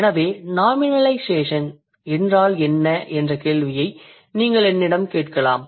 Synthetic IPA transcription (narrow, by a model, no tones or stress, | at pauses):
ɛnɐʋeːnaːmɪnɐlɐɪseːʂɐn | ɛndraːlɛnːɐʔɛndrɐkeːɭʋɪjɐɪ | niːŋɡɐɭɛnːɪɽɐmkeːʈkɐɭaːm